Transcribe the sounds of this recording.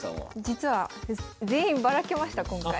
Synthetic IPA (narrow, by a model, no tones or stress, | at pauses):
d͡ʑit͡sɨβad͡zẽ̞ːĩmbaɾake̞maɕi̥t̪akõŋkai